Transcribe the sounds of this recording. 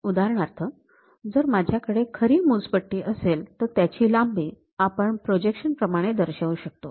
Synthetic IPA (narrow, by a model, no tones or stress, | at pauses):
ud̪aɾɳaɾt̪ʰə | d͡zəɾmad͡ʑʱjakəɽekʰəɾiːmut͡spəʈːiːʔəselt̪əɾt̪jat͡ɕiːlambiː | apəɳpɾod͡ʑekɕənpɾəmaɽ̃ed̪əɾɕaʋuɕək̚t̪o